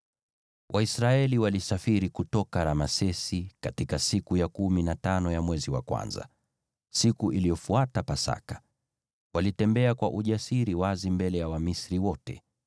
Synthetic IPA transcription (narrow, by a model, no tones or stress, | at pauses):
wʔaisɾaɛliwalisafiɾikutɔkaɾamasɛsikatikasikujakuminatanɔjamwɛziwa̰kwa̰nza̰ | sikuʔilijɔfuatapasa̰kḁ | walitɛmbɛakwaʔuʄasiɾiwazimbɛlɛjawamisɾiwɔtɛ̰